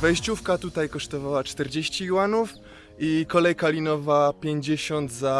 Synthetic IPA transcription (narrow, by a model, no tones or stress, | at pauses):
vɛjɕt͡ɕufkat̪ut̪ajkɔʂt̪ɔvawat͡ʂt̪ɛɾd͡ʑeɕt͡ɕiwanuf | ikɔlɛjkalʲinɔvapʲjeɲd͡ʑeɕɔnd̪za